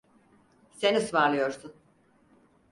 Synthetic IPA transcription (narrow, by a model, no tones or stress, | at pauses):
senisvaɾlˠɯjo̞ɾsun